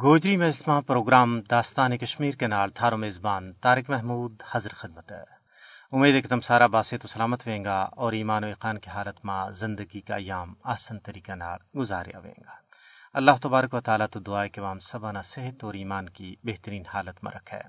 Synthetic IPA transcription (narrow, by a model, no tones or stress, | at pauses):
ɡoːd͡ʒɾimẽɪsmãpɾoːɡɾaːmd̪aːst̪aːnekɐʃmiːɾkenaːɽt̪ʰaːɾomeːzbaːnt̪aːɾɪkmɛɦmuːd̪hɐzɾxɪd̪̚mət̪ɦɛː | ʊmeːd̪ekɐt̪ɐmsaːɾabaːset̪osɐlaːmət̪ʋẽːŋɡaːɔːɾiːmaːnoeːqaːnkiɦaːlət̪mãzɪ̃nd̪əɡikaɐjːaːmaːsant̪ɐɾiːkana̰ːlɡʊzaːɾḛja̰ʋḛ̃ːŋ̆ɡaːɐlːaːɦt̪ɐbaːɾəkʋɐt̪aːlat̪od̪ʊaːekeʋaːmsɐbanaseɦət̪ɔːɾiːmaːnkibeɦt̪əɾiːnhaːlət̪mã̰ɾʔɐ̰kʰɦɛ̰ː